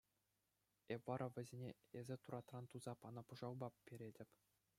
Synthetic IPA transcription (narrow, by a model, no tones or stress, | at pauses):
epʋɑɾʔɑʋʲɘ̆zʲenʲeezʲɘ̆t̪uɾɑt̪rɑnt̪uzɑpɑnɑpuʐɑlˠbɑpʲːeɾʲedʲɘ̆pʲ